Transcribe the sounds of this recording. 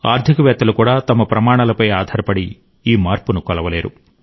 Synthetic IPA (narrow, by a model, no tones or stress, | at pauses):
a̰ːɾt̪ikɐʋɛːt̪ːɐlukuːɽaːt̪ɐmɐpɾɐmaːɳaːlɐpɐjaːd̪ʱaːɾɐpɐɽi | iːmaːɾpunukɔlɐʋɐle̞ːɾṵ